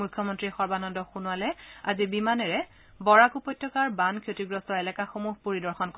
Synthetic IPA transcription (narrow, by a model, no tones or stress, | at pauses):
mujkʰːjɔmɔntɹixɔɹbanɔndɔxunʊalɛazibimanɛɹɛ | bɔɹakupɔjtːɔkaɹbankʰotiɡɹɔstɔɛlɛkaxomuɦpoɹidɔɹxɔnkɔ